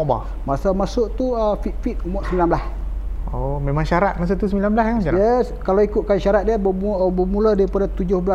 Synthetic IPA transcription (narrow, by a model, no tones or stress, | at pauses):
ʔba̰ | masamasʊʔt̪uəfiʔ̪fit̪̚umɔʔsəmbilanbəlasomemaŋʃaɾat̪̚mas̬uʔt̪usəmilanbəlaskajɛskalaikʊt̪̚kanʃaɾat̪̚diəbmubəmulədaɾipadat̪ud͡ʒʊhbəla